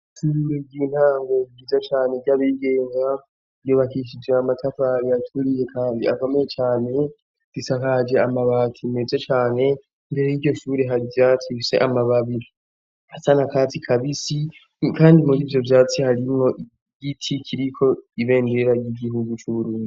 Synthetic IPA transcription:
ʃuɾe̞ɟiːn̥haːŋɡoiɡizat͡ʃaːne̞ɟaβiɡeːŋa | joβakiʃ̬id͡ʒeamatʰafaɾiatʰuɾije̞kʰaːndiako̞mejet͡ʃaːne̞ | z̥isakad͡ʒe̞amaβatʰimezet͡ʃaːne̞ | mbeɾejiɟo̞ʃuːɾe̞ɦaɾivjaːt͡sise̞̰ʔamaβaβii | asanakaːt͡sikʰaβisi | kaːndimuɾiːvjo̞vjaːt͡sihaɾimŋo̞ʔi | ɟitʰikʰiɾikʰo̞iβe̞ːnde̞ɾaɟiɡiɦuɡut͡ʃuβuɾuːndi

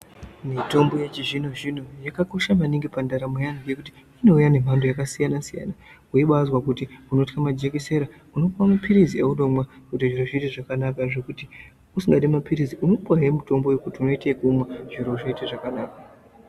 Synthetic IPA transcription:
mito̞mbo̞jet͡ʃiʐino̞ʐino̞jakako̞ʃamaniŋɡipandaɾamejanije̞kuti̥ | ino̞ujane̞m̤andojakasijanasija̰na | uiɓazwakutiuno̞tkamad͡ʒekise̞ɾa | uno̞pwamapʰiɾizieuɗo̞mwakutiʐiɾoʐiteʐakanakaʐe̞kuti | usiŋɡaɗimapiɾiziʔuno̞paɦemuto̞mbo̞jekutiuno̞itekumaʐiɾo̞ʐiiteʐakanaːka

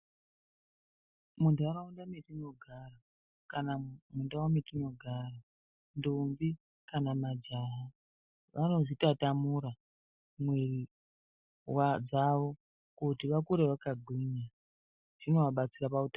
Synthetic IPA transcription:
mundaɾaundametino̞ɡʱara | kanamundawametino̞ɡʱara | ndombi | kanamad͡ʒaɦa | ʋʔano̞ʐitatamuɾa | mweri | wad͡zaʋo̞ | kutiʋakuɾeʋakaɡʱwiɲa | ʐ̥ino̞ʋaɓat͡sirapauta

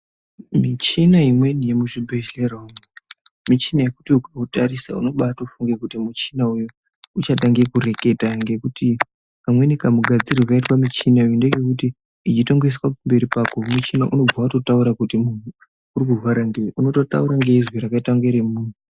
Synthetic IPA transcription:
mit͡ʃinaimwe̞nije̞muʐibʱe̞ʒera | mit͡ʃinajekutiukautaɾisa̰ṵno̞ɓataoufuŋɡekutimut͡ʃinauju | ut͡ʃat̬aŋɡekure̞ke̞taŋɡe̞kuti | kamwe̞nikamuɡʱad͡ziriwakaitwamit͡ʃinaujundeke̞kuti | it͡ʃito̞ŋɡe̞s̬wapumbe̞ɾipakomut͡ʃinaʔuno̞b͡vwatotauɾakutimun̤u | urikurwaɾaŋɡeiuno̞to̞ta̰uɾaŋɡe̞izwiɾakaitaŋɡeɾemuːn̤u

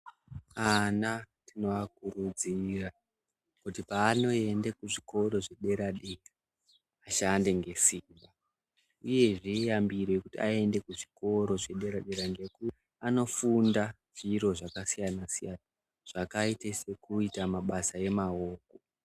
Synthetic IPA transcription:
ana | tino̞akurud͡zira | kutipaːno̞e̞ndekuʐiko̞ɾo̞ʐe̞ɗe̞ɾaɗera | aʃande̞ŋɡe̞siːmba | uje̞ʐijambirwe̞kutiae̞nde̞kuʐiko̞ɾo̞ʐe̞ɗe̞ɾaɗeɾaŋɡe̞ku | ano̞funda | ʐ̥iɾo̞ʐakasijanasijana | ʐ̥akaitese̞kuitamaɓasae̞mao̞ːko

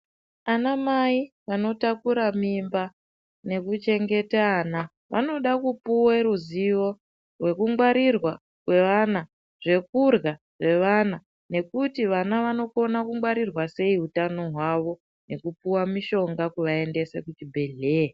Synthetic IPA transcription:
anamaiʋano̞takuɾamimba | ne̞kut͡ʃe̞ŋɡe̞taːna | ʋʔa̰no̞ɗakupuweɾuziʋo̞ | rwe̞kuŋɡwaɾirwa | kwe̞ʋana | ʐ̥e̞kurɣa | ʐe̞ʋana | ne̞kutiʋanaʋano̞ko̞nakuŋɡwaɾirwase̞iɦutano̞ɦwaʋo̞ | ne̞kupuwamiʃo̞ŋɡakuʋae̞nde̞sḛkutibʱe̞ɮeː

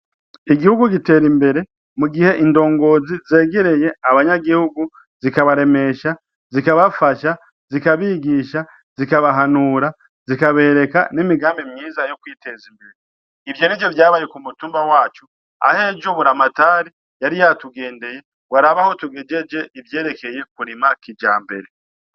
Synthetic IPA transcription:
iɡihuɡuɡite̞ːɾimbe̞ɾe̞ | muɡihe̞ʔindo̞ːŋɡo̞ːzize̞ːɡe̞ɾe̞je̞aβaɲaɡihuɡu | zikaβaɾe̞me̞ʃa | zikaβafaʃa | z̥ikaβiɡiʃa | z̥ikaβaɦanuɾa | z̥ikaβe̞ːɾe̞ka̰nimiɡaːmbimɲiːzajo̞kwiːtʰezimbeɾe | ivjeːɾed͡ʒe̞vjaːβajekumutuːmbawaːt͡ʃu | a̰he̞d͡ʒoβuɾamataːɾi | jaɾijatuɡe̞ːnde̞je̞ | waɾaβaho̞tuɡe̞d͡ʒe̞d͡ʒe̞ʔivje̞ːɾe̞ke̞je̞kuɾimakid͡ʒa̰ːmbe̞̰ɾe̞

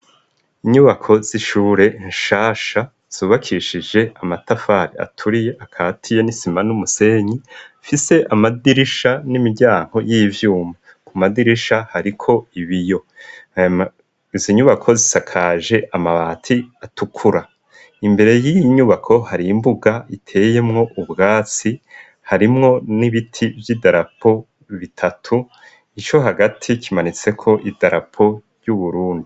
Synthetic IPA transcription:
iɲuβakʰo̞z̥iʃuːɾe̞inʃaːʃa | z̥uːβakʰiʃid͡ʒe̞amatafaɾia̰tʰuɾije̞ʔakʰaːtʰijenisimanumuse̞ːɲifise̞ʔamadiɾiʃanimiɾɟaːŋ̥ho̞jiːvjuːma | kumadiɾiʃahaɾikʰo̞iβijo̞ | ziɲuβakʰo̞zisakʰaːʒe̞ʔamaβaːtʰiatʰukʰuɾa | imbe̞ɾe̞jiiɲuβakʰo̞haɾimbuɡaitʰe̞ːje̞mŋo̞ʔubɡaːt͡si | haɾimŋo̞niβitʰivjidaɾapʰo̞ | βitʰatʰu | it͡ʃo̞ɦaɡatʰikʰimanit͡se̞kʰo̞ʔidaɾa̰pʰo̞ɾjuβuɾuːndi

